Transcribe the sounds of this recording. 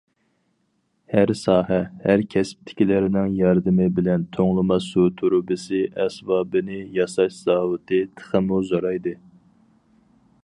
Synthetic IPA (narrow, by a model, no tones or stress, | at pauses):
hæɾsɑːɦɛhæɾkʲʰɛsp̚t̪ʰɪ̥kʲilɪɾɪnɪŋjɑɾd̪ɨmɪbɪlɛnt̪ʰoŋlˠɨmɑsut̪ʰuɾubɪsɪʔɛsbɑːbɨnɪjɑsɑʃzɑːwɨt̪ʰɨt̪ʰə̥χəmuzoɾɑjd̪ɨ